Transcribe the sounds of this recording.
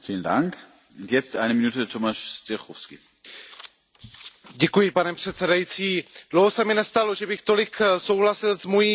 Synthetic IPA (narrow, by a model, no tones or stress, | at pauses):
fiːln̩da̰ŋk | ʊntjɛt͡stʔaɪnəminuːtətʰomaʃst̪ɛxɔfskḭ | ɟɛkujɪpanɛpr̥ɛt̪t͡sɛdajit͡siːd̥lowɦosɛmɪnɛst̪alo̞ʒɛbɪxt̪o̞lɪkso̞wɦlasɪlzmojiː